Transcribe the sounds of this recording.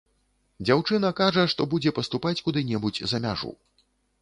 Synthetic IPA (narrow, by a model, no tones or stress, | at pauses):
d͡zʲawt͡ʂɨnɐkaʐɐʂt̪ɔbud͡zʲɛpɐst̪upat͡sʲkud̪ɨnʲɛbut͡sʲzɐmʲaʐṵ